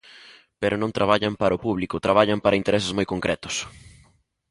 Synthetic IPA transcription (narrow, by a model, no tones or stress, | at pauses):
peɾʊnõnt̪ɾaβaʎɐmpaɾʊpuβlikʊt̪ɾaβaʎampaɾɐint̪eɾesɪzmojkoŋkɾɛt̪ʊ̥s